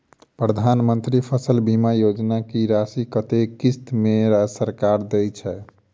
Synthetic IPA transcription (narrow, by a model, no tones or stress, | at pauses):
pɾəd̪ʱanmənt̪ɾipʰəsəlbʱimajod͡ʒnakiɾasikət̪ekist̪meɾasəɾkaɾd̪ɛjt͡ʃʰɛ